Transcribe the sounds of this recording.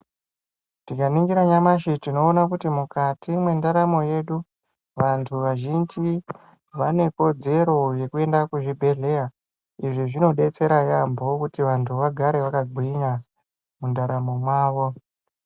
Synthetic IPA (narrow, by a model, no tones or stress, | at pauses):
tikaniŋɡiɾaɲamaʃitino̞ːnakutimukatimwe̞ndaɾamo̞je̞ɗu | ʋantʰuʋaʒind͡ʒi | ʋane̞ko̞d͡ze̞ɾo̞je̞kue̞ndakuʐibʱe̞ɮe̞a | iʐiʐino̞ɗe̞t͡se̞ɾajambo̞kutiʋantʰuʋaɡʱaɾe̞ʋakaɡʱina | mundaɾamo̞mwaːʋo̞